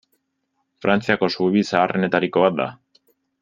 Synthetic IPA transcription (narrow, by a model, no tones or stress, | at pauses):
fɾant͡siako̞suβisaːre̞ne̞t̪aɾiko̞βat̪̚d̪a̰